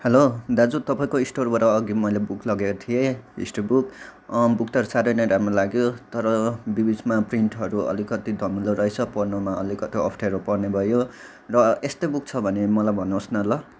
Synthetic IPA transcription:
helod̪ad͡zut̪ʌpaĩkoisʈorbʱʌɾʌːɡimʌjlebukʰlʌɡekot̪ʰijeḭsʈobukbukt̪ʌɾusaɾʌjnʌjɾamrolaɡjot̪ʌɾʌbibismapriɳʈɦʌɾuʔʌ̰likʌt̪id̪ʱʌmuloɾʌet͡sʰʌpʌrnomaʌlikʌt̪iʌ̰pʰʈʰeɾopʌrnebʱʌjo | rʌest̪ojbuk̚t͡sʰʌbʱʌnemʌlajbʱʌnːosnʌlʌ

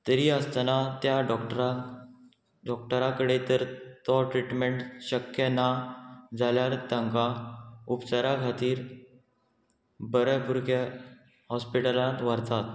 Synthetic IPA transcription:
t̪əɾiːəst̪anat̪jaɖɔkʈəɾa | ɖɔk̚ʈəɾakəɽet̪əɾt̪ɔʈɾiʈmeɳʈɕəkjənad͡zaljaɾt̪əŋkaupt͡saɾakʰat̪iːɾ | bəɾəpuɾkə | ɦɔspiʈəlaʋəɾt̪at̪̚

